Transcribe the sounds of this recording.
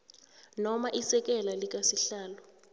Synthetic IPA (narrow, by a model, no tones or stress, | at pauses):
nɔmaʔisɛk̬ʼɛlalik̬asiɬaːlɔ